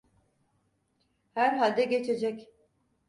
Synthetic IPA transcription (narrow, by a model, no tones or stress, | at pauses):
hæɾɦalʲd̪ɛɟet͡ʃʰe̞d͡ʒɛc